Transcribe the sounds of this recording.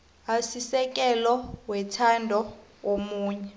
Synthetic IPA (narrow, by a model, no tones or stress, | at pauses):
asisɛk̬ʼɛlɔwɛtʰandʱɔomuːɲɛ